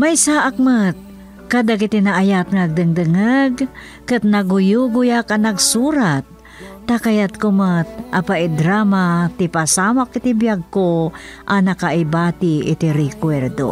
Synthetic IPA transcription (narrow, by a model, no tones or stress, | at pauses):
majsaʔak̚mət̪̚ | kad̪ak̬ɪt̪inɐʔajat̪̚ŋaɡ̚d̪ɨŋd̪ɨŋaɡ | kɨt̪̚nɐɡʊjuɡʊjakɐnɐɡsuːɾat̪̚ː | akɐjat̪̚komət̪̚ʔapaʔɪd̪ɾaːmat̪ɪpasaːmakɪt̪ibjaɡ̚koʔɐnɐkaʔɪbaːt̪ɪʔɪ̰t̪iɾɪkwɛɾd̪o̰